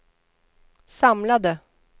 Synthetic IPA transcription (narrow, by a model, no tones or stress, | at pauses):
sɑmlɑd̪ə